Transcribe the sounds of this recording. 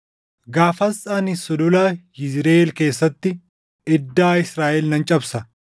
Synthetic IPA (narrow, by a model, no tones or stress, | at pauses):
ɡaːfɐsaːnɪsːʊd̪ʊlɐjɪzɾeːlke̞ːsːɐt̪ːɪ | ɛd̪ːaːɪsɾaːʔɛlnɐnt͡ʃʼɐbsɐ